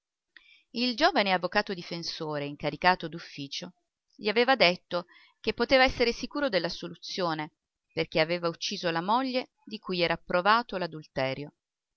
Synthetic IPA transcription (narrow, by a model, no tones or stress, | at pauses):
ild͡ʒoːvaneavːokaːt̪od̪ifensoːɾeiŋkaɾikaːt̪od̪ufːiːt͡ʃo | ʎiaveːvad̪et̪ːo | kepːot̪eːvaɛsːeɾesikuːɾod̪elːasolut̪sːjoːne | perk̟eaveːvaut͡ʃːiːzolamoʎːe | d̪ikujɛːɾaːpːɾovaːt̪olad̪ult̪ɛːɾjo